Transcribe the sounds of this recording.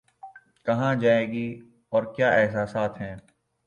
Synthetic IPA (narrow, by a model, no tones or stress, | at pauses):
kɐɦãd͡ʒaːeːɡi | ɔːɾkjaːɛːs̬asaːt̪ʰɦɛ̃ː